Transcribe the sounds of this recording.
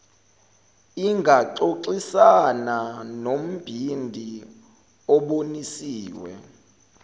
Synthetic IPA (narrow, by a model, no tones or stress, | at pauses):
iŋɡʱaǀoǀisananom̩b̥ʱindʱi | ɔɓonisiːwɛ̰